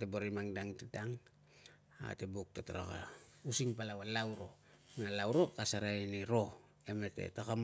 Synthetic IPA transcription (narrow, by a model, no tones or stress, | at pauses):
teboɾimaŋdaŋtidaŋ | a̰tebuk̚totoɾo̰ka̰ | usiŋpalawalawɾo̞ | nalawɾo̞kasaɾainiɾo̞ | eme̞te̞̰tokam